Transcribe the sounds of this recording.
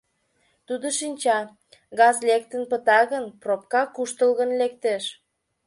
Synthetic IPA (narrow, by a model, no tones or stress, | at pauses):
t̪ud̪oʃinʲt͡ɕɑ | ɣɑzlekt̪ə̆npət̪ɑɣənpropkɑkuʃt̪əlɣənlekt̪eʃ